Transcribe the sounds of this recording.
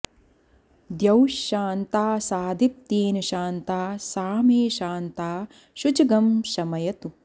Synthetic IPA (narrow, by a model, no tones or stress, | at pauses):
d̪jɐwʃːaːnt̪aːsaːd̪ʱip̚t̪eːnɐʃaːnt̪aːsaːmeːʃaːnt̪aː | ʃut͡ʃɐɡɐmʃɐmɐjɐt̪u